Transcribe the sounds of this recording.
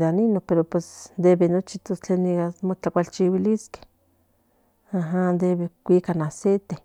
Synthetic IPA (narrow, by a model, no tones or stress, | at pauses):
d̪aninopeɾopwesnd̪eβenot͡ʃit̪ost͡ɬeniɡamot͡ɬakʷalt͡ʃiwiliske̥ | aɦand̪eβekʷikanaset̪e